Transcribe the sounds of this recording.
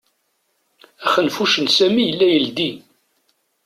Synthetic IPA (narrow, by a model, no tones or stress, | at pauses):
æχənfuʃənsæmijəlːæjəld̪i